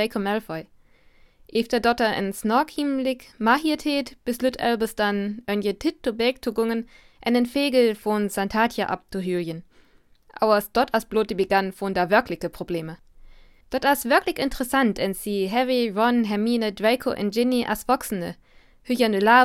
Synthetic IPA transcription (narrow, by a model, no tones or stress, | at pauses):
ɛɪkʰomɛlfɔʏ | ʔeːftɐdɔtɐʔə̰nsnɔkʰimlɪkmahiɐtʰheːtb̥ɪslytʰɛ̰lbɐsd̥anʔœnjətʰɪtʰːubɛːk̚tʰuɡʊŋən | ʔɛnənfeːɡl̩fɔnsantʰaːtʰjaʔa̰p̚tʰuɦyjən | ʔa̰ʊɐsd̥ɔtasb̥loːt̚d̥ibəɡanfondaːvɛɐkʰlɪçəpʁ̥obleːmə | d̥ɔtasvɪɐklɪçɪntəʁəsantɛnsiɦɛviɹɔnɦɛminədɛɪkʰo̰ʔɛ̰nd͡ʒɪniʔa̰svɔksn̩ə̰ | hyçɐnəlaː